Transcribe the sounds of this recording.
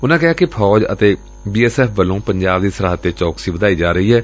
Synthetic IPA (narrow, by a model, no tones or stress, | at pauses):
ʊnãːkɪɦaːkɪpʰɔːd͡ʒə̰t̪eː | biːɛːsɛːpʰʋəlːõːpəɲd͡ʒaːb̚d̪iːsəɾaːɦət̪ːeːt͡ʃɔːksiːʋəd̪aːiːd͡ʒaːɾəiːɦɛː